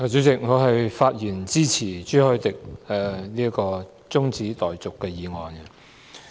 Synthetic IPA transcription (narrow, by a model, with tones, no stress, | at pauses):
ɔ˨˧t͡sy˨˥t͡sɪ˨k̚ŋɔː˨˧ɦɐ˨jfaː˧t̚jiː˨˩nt͡siː˥t͡sʰiː˨˩t͡ʃyː˥hœː˨˥jt̪ɪ˨k̚ɛ˨liː˥ɐ˥kɔː˧ | t͡sʊ˥ŋt͡siː˨˥t̪ɔː˨jt͡sʊ˨kːɛː˧jiː˨˧ŋɔː˨nɛ˧